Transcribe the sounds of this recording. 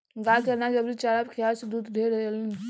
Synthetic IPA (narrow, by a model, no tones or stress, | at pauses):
ɡaːkənad͡ʒɐbɾit͡ʃaːɾabkʰijaːsd̪uːd̪d̪ʱeɾlin